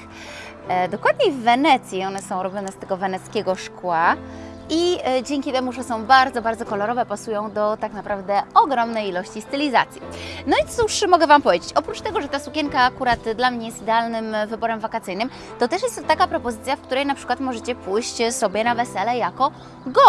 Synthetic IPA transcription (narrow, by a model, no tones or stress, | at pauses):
d̪ɔkwad̪̚ɲevːɛnɛt̪sʲjiɔnɛsɔ̃w̃ɾɔbʲjɔnɛst̪ɛɡɔvɛnɛt̪skʲeɛɡɔʂkwa | id͡ʑɛŋʲkʲit̪ɛmuʐɛsɔ̃w̃baɾd̪zɔbaɾd̪zɔkɔlɔɾɔvɛpasujɔ̃w̃d̪ɔt̪aknapɾavd̪ɛɔɡɾɔmnɛjilɔɕt͡ɕist̪ɘlʲiza̰t̪sʲjinɔit̪uʂmɔɡɛvampɔvʲjed͡ʑet͡ɕɔpɾut͡ʂt̪ɛɡɔʐɛt̪asukʲɛŋkaːkuɾat̪d̪lamɲɛjɛst̪ʲid̪ɛalnɘmvɘbɔɾɛmvakat̪sɘjnɘm | t̪ɔt̪ɛʂjɛst̪tːakapɾɔpɔzɘt̪sʲjafkt̪uɾɛjnapʂɘkwat̪mɔʐɛt͡ɕɛpujɕt͡ɕsɔbʲjɛnavɛsɛlɛjakɔ | ɡɔ